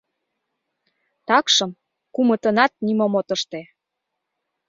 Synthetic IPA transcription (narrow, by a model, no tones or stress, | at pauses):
t̪ɑkʃɤ̆m | kumə̆t̪ənɑt̪̚nimomot̪əʃt̪e